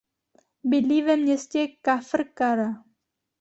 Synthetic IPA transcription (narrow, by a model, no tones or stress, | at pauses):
bɪdlivɛmɲɛscɛkafrkaɾa